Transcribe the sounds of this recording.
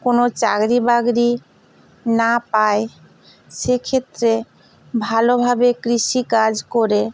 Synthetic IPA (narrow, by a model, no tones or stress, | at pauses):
konot͡ɕa̰ɡɾibaɡɾi | napae | ʃekʰet̪ːɾe | bʱalobʱabekɾiʃikad͡ʑkoɾe